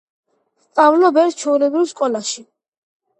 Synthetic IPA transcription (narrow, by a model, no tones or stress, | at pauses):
st̪sʼavlɔbɛɾt̪̚t͡ʃʰɛulɛbɾivskʼɔlaʃi